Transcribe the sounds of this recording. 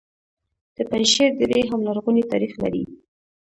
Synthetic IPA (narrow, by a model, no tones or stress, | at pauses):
d̪̥əpanʃeɾd̪əd̪eɦamlaɾɣunit̪ɑ̰ɾixla̰ɾḭ